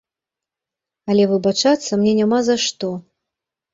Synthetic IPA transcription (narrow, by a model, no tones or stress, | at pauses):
ɐlʲɛvɨbat͡ʂat̪sːɐmnʲɛnʲamazaʂt̪ɔ